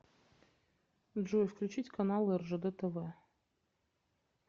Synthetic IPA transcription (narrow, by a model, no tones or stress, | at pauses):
d̪ʐujfklʲʉt͡ɕitʲkanalˠɨɛrʐəd̪ət̪əvɛ